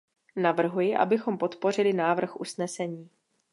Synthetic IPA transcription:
navr̩ɦujɪʔa̰bɪxo̞mpo̞t̪po̞r̝ɪlɪnaːvr̩xʔusnɛsɛɲiː

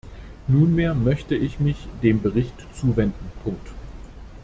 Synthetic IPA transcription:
nuːnmeːɐmœçtəɪçmɪçd̥eːmbəʁ̞ɪçtt͡suːvɛndn̩pʰʊŋk̚t

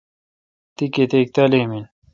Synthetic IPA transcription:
t̪iket̪ek̚t̪ɐlemin

